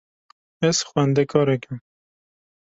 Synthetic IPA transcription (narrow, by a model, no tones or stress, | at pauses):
ɛsxwænd̪ɛkʰɑːɾɛkʲɪm